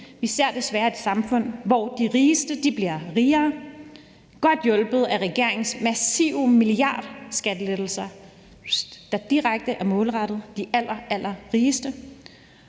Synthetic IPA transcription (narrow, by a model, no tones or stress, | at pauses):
iseɐ̰d̥e̝sʋæːɐe̝d̥sɑ̈mfɔ̽n̰ʋɒd̥iʁiːsd̥əd̥ib̥liɐʁiːɐː | ɡ̥ɒ̽d̥jɔ̽lb̥ð̩ˠæʁɛɡ̥e̝ɐ̰e̝ŋn̩smæsiːʊmiliɑ̰̈ːd̥sɡ̥æd̥əled̥l̩sɐ | d̥ɑ̈d̥iʁaɡ̥̚d̥əʔæɐmɔ̽ːlʁɑd̥ð̞̩ˠd̥iʔæl̰ɐælʔɐʁiːsd̥ə